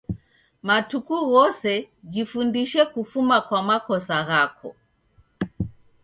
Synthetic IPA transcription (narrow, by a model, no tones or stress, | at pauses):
matukuɣɔsɛ | d͡ʒifundiʃɛkufumakwamakɔsaɣakʰɔ̰